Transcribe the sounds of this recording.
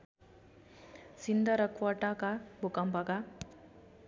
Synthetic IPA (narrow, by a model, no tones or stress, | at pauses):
sind̪ʌɾʌkwɔʈakabʱukʌmpaka